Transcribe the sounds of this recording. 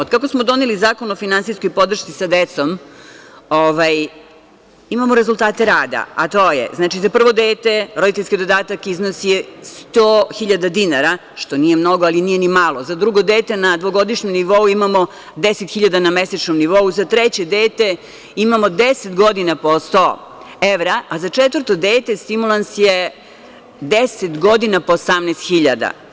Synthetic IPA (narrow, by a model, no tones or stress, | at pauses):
od̪kakosmod̪o̞nelizaːkonofinansijskojpo̞d̪r̩ʃt̪sisad̪et̪so̞m | oʋaj | imamoɾezulˠt̪aːt̪e̞ɾaːd̪a̰a̰t̪ojḛznat͡ʃizapr̩ʋo̞d̪eːt̪e̞ɾo̞d̪it̪eʎskijd̪o̞d̪aːt̪akiznosijest̪oːxiʎad̪ad̪inaɾa | ʃt̪o̞nije̞mno̞ɡoalinije̞nimalˠo̞zad̪ɾuɡo̞d̪eːt̪e̞nad̪ʋo̞ɡo̞d̪iʃɲemniʋo̞uimamo | d̪eset̪xiʎad̪anameset͡ʃnomniʋo̞uzat̪ɾet͡ɕed̪eːt̪e | imamo̞d̪eset̪ɡo̞d̪inapost̪o̰ | eʋɾaːzat͡ʃet̪ʋər̩t̪od̪eːt̪e̞st̪imulansje | d̪eset̪ɡo̞d̪inapoːsamnest̪xiʎa̰d̪a̰